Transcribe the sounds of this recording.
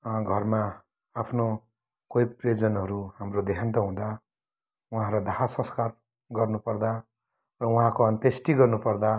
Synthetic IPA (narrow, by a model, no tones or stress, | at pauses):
ʌ̃ɡʱʌrma | apʰno | kojpred͡zʌnʌɾuɦamrod̪eɦãnt̪ʌɦũd̪a | uɦãɾad̪ʱaɦasʌ̃skar | ɡʌrnupʌrd̪a | rʌuɦãkoʌnt̪esʈiɡʌrnupʌrd̪a